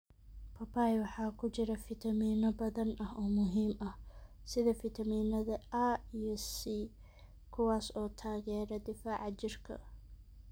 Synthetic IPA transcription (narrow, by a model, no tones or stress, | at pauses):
pʰɐpʰaːjwɑħɑːkʰʊt͡ʃɪɾɐfɪt̪ʰɐmiːnɐbɐðɐnɐɦɔːmʊɦiːmɐh | sɪðɐfɪt̪ʰɐmiːnɐðɐʔaijɞsi | kʰʊwɑːsɔːt̪ʰaːɣɛːɾɐd̪ɪfaːʕɑt͡ʃɪrkʰɐ̰